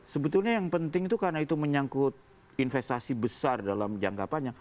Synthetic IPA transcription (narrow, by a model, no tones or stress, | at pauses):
səbət̪ulɲajaŋpənt̪ɪŋit̪ukarnait̪uməɲaŋkʊt̪̚ | infest̪asibəsardalamd͡ʒa̰ŋkapanɲa